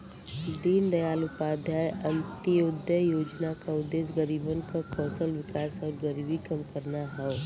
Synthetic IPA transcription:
d̪iːnd̪ɐjaːlʊpaːd̪ʱjaːjʔɐ̃nt̪ijoːd̪jəjoːd͡ʒnakaʊd̪eːs̬ɡəɾiːbənkakʰɔːsəlʋɪkaːsɔːɾɡəɾibikɐmkəɾnaɦɛo

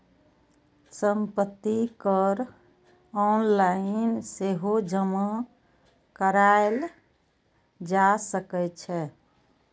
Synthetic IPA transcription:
səmpət̪ːikəɾ | ɔnlainseɦod͡ʒəma | kəɾael | d͡ʒasəkɛt͡ʃʰɛ

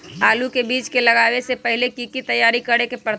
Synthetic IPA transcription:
aːlukebiːt͡ʃkelɐɡaːwesepəɦɪlekikit̪ɐjaːɾikəɾekepɾət̪

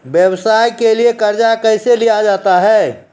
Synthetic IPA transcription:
bjəbsajkeliekəɾd͡ʒakəjselijad͡ʒat̪aɦɛ

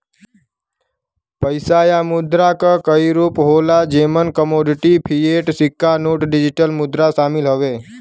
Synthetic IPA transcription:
pəjsajamʊd̪ɾakakəiɾuːpɦolad͡ʒemənkəmoɖɪʈipʰieʈsɪkːanoːʈɖɪd͡ʒɪʈəlmʊd̪ɾaʃaːmɪlɦəʋe

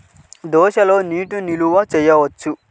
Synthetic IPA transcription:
d̪ɔːʃɐlo̞ːniːʈuniluʋɐt͡ʃɛjːɐʋɐt͡ʃːu

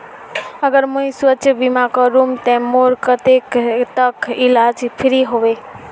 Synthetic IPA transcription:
əɡəɾmuisʋətːʃʰəbimakəɾumt̪ɛ̃moɾkət̪ekt̪əkilad͡ʒpʰiɾiɦoʋe

